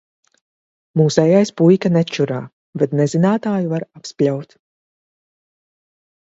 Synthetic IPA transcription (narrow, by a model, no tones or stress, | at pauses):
muːsɛjajspujkanɛt͡ʃuɾaː | vɛt̪nɛzinaːt̪aːjuvaɾapsplʲawt̪